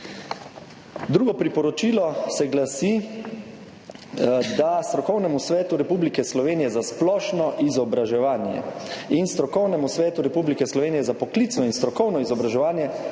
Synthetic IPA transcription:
d̪ɾuːɡɔpɾipɔɾɔt͡ʃiːlɔsɛɡlasi | d̪ast̪ɾɔkɔwnɛmusʋɛːt̪uɾɛpublikɛslɔʋeːnijɛzasplɔʃnɔʔizɔbɾaʒɛʋaːnjɛ̰inst̪ɾɔkɔwnɛmusʋɛːt̪uɾɛpublikɛslɔʋeːnijɛzapɔklit̪snɔinst̪ɾɔkɔwnɔizɔbɾaʒɛʋaːnjɛ

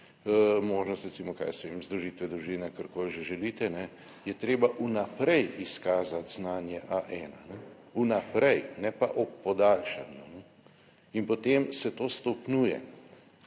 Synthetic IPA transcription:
moːʒnɔst̪ɾɛt̪siːmɔka̰ːjsɛʋemzd̪ɾuʒiːt̪ʋɛd̪ɾuʒiːnɛkəɾkoːlʒɛʒɛlit̪ɛnɛ | jɛt̪ɾeːbaʔunapɾɛjiskaːzat̪znaːnjɛʔaʔɛːnanɛ | unapɾɛjnɛpa̰ʔɔpːɔd̪aːlʃa̰njunɛ | inpɔt̪emsɛt̪oːst̪ɔpnuːjɛ̰

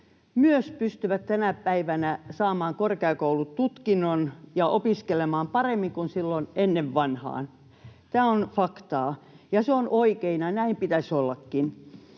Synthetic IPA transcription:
myøspyst̪yʋætt̪ænæpæiʋænæsɑːmɑːŋkorkeɑˑkoulutt̪ut̪kinːonjɑʔopiskelemɑːmpɑremːiŋkunsilːonenːeʋʋɑnhɑ̰ːn | t̪æːonfɑkt̪ɑːjɑseonoikeinɑnæimpit̪æsʲolːɑkːin

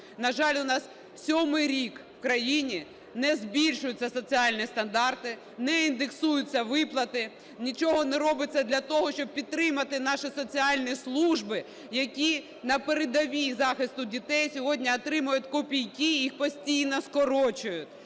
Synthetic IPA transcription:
nɐʒɑlʲʊnɑs | sʲɔmɪjɾʲikwkɾɐjinʲi | nɛzbʲilʲʃʊjʊtʲt͡sʲːɐsɔt͡sʲiɑlʲnʲist̪ɐnd̪ɑrt̪ɪ | nɛind̪eksujʊt͡sʲːɐʋɪplˠɐt̪ɪ | nʲit͡ʃɔɦɔnɛɾɔbɪt͡sʲːɐd̪lʲɐt̪ɔɦɔʃt͡ʃɔb̚pʲid̪̚t̪ːɾɪmɐt̪ɪnɑʃɪsɔt͡sʲiɑlʲnʲislˠuʒbɪ | jɐkʲi | nɐpeɾed̪ɐʋʲizɑxɪst̪ʊdʲit̪ɛjsʲɔɦɔdʲnʲiɔt̪ɾɪmʊjʊtʲkɔpʲijkijixpɔsʲtʲijnɔskɔɾɔt͡ʃʊjʊtʲ

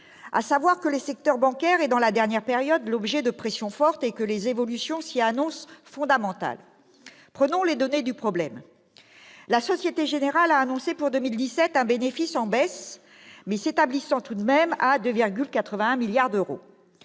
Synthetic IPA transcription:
a̰savwaʁkəlesɛk̚t̪œʁbɑ̃kʲɛʁed̪ɑ̃lad̪ɛʁnjɛʁpeʁjɔd̪lɔbʒɛd̪əpχesjɔ̃fɔʁt̪ekəlezevɔlysjɔ̃sianɔ̃sfɔ̃d̪amɑ̃t̪a̰l | pχənɔ̃led̪ɔned̪ypχɔblɛm | lasɔsjet̪eʒeneʁalaːnɔ̃sepuʁd̪əmild̪isɛt̪ɛ̃benefisɑ̃bɛs | mɛset̪ablisɑ̃t̪ud̪mɛmad̪øviʁɡʲylkat̪χəvɛ̃ɛ̃miljaʁd̪øʁo̰

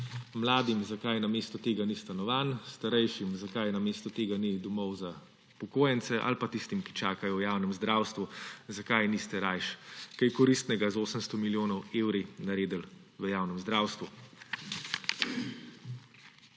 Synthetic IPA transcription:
mlaːd̪imzakajnameːst̪ɔt̪eːɡanist̪anɔʋaːnst̪aɾɛjʃimzakajnameːst̪ɔt̪eːɡanid̪ɔmɔwza | pɔkoːjɛnt̪sɛʔa̰lpat̪ist̪imki̥t͡ʃaːkajɔwjaːwnɛmzd̪ɾaːwst̪ʋuzakajnist̪ɛɾajʃkɛjkɔɾist̪nɛɡazoːsəmst̪ɔmiljoːnɔweːwɾinaɾeːd̪əl | ʋəjawnɛmzd̪ɾaːwst̪ʋu

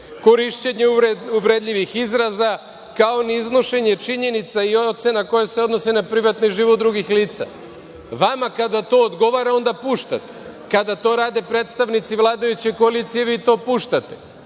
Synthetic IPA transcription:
ko̞ɾiʃt͡ɕeɲeeuʋɾed̪ʎʲiʋixizɾaza | kao̞niiznoʃe̞ɲe̞t͡ʃiɲe̞nit̪saiot̪senako̞jese̞o̞d̪no̞sinapɾiʋat̪niʒiːʋot̪d̪ɾuɡixliːt̪sa̰ | ʋamakad̪at̪o̞ːd̪ɡo̞ʋaɾao̞nd̪apuːʃt̪a̰t̪e̥ | kad̪at̪o̞ːɾaːd̪e̞pɾet̪st̪aʋnit̪siʋlˠaːd̪ajut͡ɕe̞koalit̪sije̞ʋit̪o̞ːpuːʃt̪at̪e̞̥

